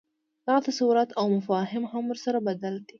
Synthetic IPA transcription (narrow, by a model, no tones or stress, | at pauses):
lɑʕt̪isˤuːɾˤɑt̪ʔawmafaːɦɪmhamʊɾsɑɾˤɑbad̪alt̪i